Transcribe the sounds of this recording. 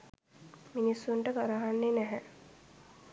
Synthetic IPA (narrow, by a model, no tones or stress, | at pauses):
minisːunʈəɡaɾaɦanːenæɦɛ